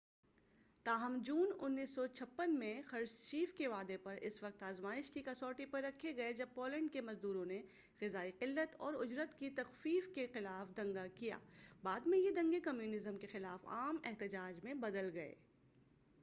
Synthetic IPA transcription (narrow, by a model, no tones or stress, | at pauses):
t̪aːɦəmd͡ʒuːnʊnːiːsːɔt͡ʃʰɐpːənmẽxɐɾzt͡ʃiːfkeʋaːd̪epɐɾɪ̰sʋɐq̚t̪aːzmaːɪʃkikɐsɔːʈipɐɾːɐkʰːeɡɐed͡ʒɐb̚poːlɛ̃ɳɖkemɐzd̪uːɾõne | xɪzaːiqɪlːət̪ɔːɾʊd͡ʒɾət̪kit̪ɐxfiːfkexɪlaːfd̪ɐ̃ŋɡakija̰ːbaːd̪mẽjed̪ɐ̃ŋɡekɐmjuːnɪzəmkexɪlaːfa̰ːmɛɦt̪ɪd͡ʒaːd͡ʒmẽbɐd̪əlɡɐḛː